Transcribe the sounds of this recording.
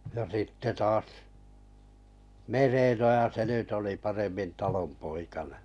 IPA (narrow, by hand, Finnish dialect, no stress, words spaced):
jɑ sitːe tɑːs merenojɑ se nyt oli pɑremːin tɑlompoikɑnẽː